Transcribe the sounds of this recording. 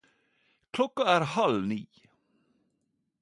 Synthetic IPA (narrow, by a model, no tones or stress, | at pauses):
kʰlɔkːaæːɾhalniː